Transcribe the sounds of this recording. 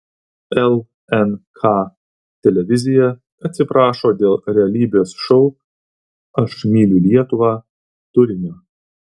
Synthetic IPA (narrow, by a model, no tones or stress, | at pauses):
ɛlˠ | ɛnkʰɑː | t̪ʲɛlʲɛʋʲɪzʲɪjɛ | ɐt̪ʲsʲɪpɾɑːʃoːd̪ʲeːlˠɾʲɛɐlʲiːbʲeːsʃɔʊ | ɐʃmʲiːlʲɪlʲiɛt̪ʊʋɑː | t̪ʊɾʲɪnʲʊ